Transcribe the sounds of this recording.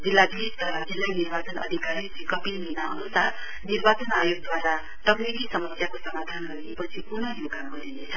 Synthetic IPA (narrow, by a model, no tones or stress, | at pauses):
d͡zilːabiɦist̪d͡zilːanirbat͡sʌnʌ̰d̪ʱikaɾisikʌpiminaʌ̰nusar | nirbat͡sʌnajoɡ̚d̪waɾa | ʈʌknikisʌmʌsjakosʌmad̪ʱanɡʌiepʌt͡sʰikunʌjoɡaɡʌɾinet͡sʰʌ